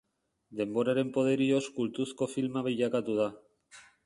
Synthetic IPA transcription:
d̪e̞mbo̞ɾaɾe̞mpo̞ð̞e̞ɾio̞skult̪usko̞filmaβ̞iʎakat̪uð̞a

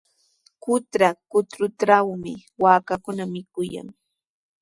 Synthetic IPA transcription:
kʊt̪ɾakʊt̪ɾʊt̪ɾawmɪwaːkakʊnamɪkʊja̰ŋ

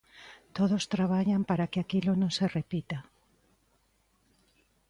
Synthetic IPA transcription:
t̪oðost̪ɾaβ̞aʎampaɾakeakilʊnõŋserepit̪a

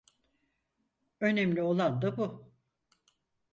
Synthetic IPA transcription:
ø̞nemlʲio̞lˠand̪abu

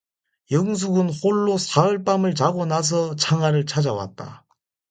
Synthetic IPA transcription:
jʌŋs̬ʰuɡɯnɸoɭːosʰaɯɭp͈amɯɭt͡ɕaɡonas̬ʰʌt͡ɕʰaŋaɾɯɭt͡ɕʰad͡ʑawa̰t̚t͈a̰

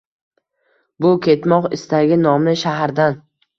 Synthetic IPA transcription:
bʊkʲʰe̞t̪mɒqɪst̪aɡʲɪnɒmɪʃaɦaɾd̪an

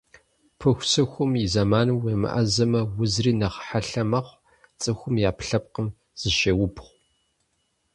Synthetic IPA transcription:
pʰɨxʷsɨxʷʊmizɐmaːnwemɨ̰ʔɐ̰zɐmɐwʊzriːnɐχħaɬɐmɐχʷ | t͡sʼɨxʷʊmjaːpʰɬɐp̚qəm | z̥ɨʃɐwʊpχʷ

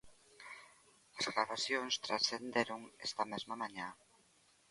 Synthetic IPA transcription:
asɣɾaβasjonst̪ɾasθend̪eɾoŋest̪amezmamãɲã

